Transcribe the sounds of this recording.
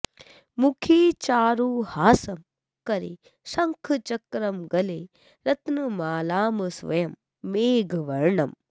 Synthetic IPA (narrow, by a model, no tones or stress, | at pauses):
mukʰiːt͡ʃaːɾuːhaːsɐm | kɐɾḛː | sɐ̃ŋkʰt͡ʃɐkɾɐmɡɐleː | ɾɐt̪nɨmaːlaːmɨsʋɐ̰jɐmː | eːɡʱʋɐɾɳɐm